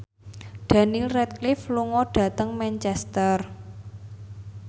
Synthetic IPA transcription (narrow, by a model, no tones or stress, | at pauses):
ɖ̥a̤nilrɛt̪̚klifluŋɔɖ̥ä̤t̪əŋmɛnt͡ʃɛst̪ər